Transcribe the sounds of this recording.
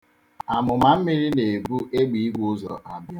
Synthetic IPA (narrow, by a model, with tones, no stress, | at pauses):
a˨mʊ˨ma˨m̩˦mi˦ɾi˦ne˨e˨bu˦ʔe˦ɡ͡bi˨i˦ɡu˦ʊ˦zɔ̰˨ʔa˨bja˦